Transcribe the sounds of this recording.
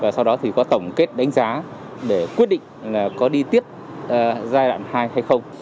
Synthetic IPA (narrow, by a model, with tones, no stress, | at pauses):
vaː˨˩sa˧wɗɔ˨˦t̪ʰi˨˩kɔ˨˦t̪ə˧˩wŋ͡mke˦˥t̚ɗa˨˦ŋ̟zaː˨˦ | ɗe˧˩kwi˦˥t̚ɗḭ˧˨ŋ̟laː˨˩kɔ˨˦ɗi˧t̪i˦˥əp̚ː | zaː˧jɗa̰ː˧˨nhaː˧jha˧jxə˧wŋ͡m